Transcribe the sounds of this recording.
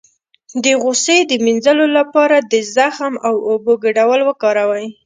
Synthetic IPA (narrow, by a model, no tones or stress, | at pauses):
d̪əɣosed̪əminzəlolapɑɾad̪əzaxmawoboɡəɖawəlwəkɑɾawaj